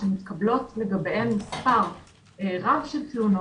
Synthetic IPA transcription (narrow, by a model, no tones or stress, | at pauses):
emit̪kablo̞tleɡabeemːispaʁ | eʁavʃeltiuno